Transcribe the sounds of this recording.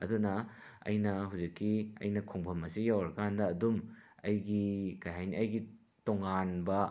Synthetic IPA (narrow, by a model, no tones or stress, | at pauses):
ɐ̰dunɐ | ɐ̰jnɐɦuwzikːiɐ̰jnɐkʰoŋbʱɐmɐsijawɾɐkandɐːdum | ɐjɡikɐjɦajniɐjɡi | toŋanbɐ